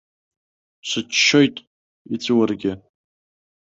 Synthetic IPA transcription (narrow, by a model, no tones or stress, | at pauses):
ɕʷɨt͡ʃːo̞jtʼ | it͡sʷʰʼwarɡʲɪ